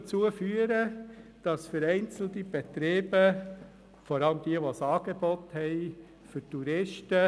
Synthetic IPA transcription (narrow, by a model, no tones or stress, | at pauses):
t͡suəfyəɾəd̥ɑsfəɾɛɪnt͡sl̩tib̥et̪ɾeːbə | fɔɾɑləmd̥iəʋosɑːɡ̥ebɔthɛɪ | fʏtuɾɪʃtə